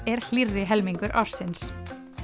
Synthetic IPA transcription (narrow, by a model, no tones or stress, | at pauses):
ɛɾ̥l̥iɾðɪɦɛlmiŋkʏɾʔa̰wɾ̥sɪns